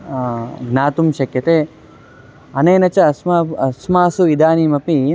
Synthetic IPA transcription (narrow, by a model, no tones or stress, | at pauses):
ɡnaːt̪umʃɐkjɐt̪eː | ɐneːnɐt͡ʃɐɐsmaɐsmaːsuʋid̪aːniːmɐpi